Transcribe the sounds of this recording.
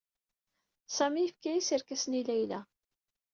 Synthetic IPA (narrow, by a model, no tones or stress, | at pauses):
sæmijəfkæjisiəɾkæsnilæjlæ